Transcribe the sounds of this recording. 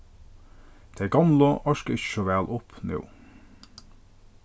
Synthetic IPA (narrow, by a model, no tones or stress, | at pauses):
d̪̥ʰeæɡɑmləʔɑʃkəɪçə̥ʃɔʋæːlʔʊpnʉ̰ː